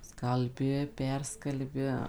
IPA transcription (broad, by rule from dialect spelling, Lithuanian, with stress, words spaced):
skɐlʲˈbʲɪ ˈpʲɛrskɐlʲbʲɪ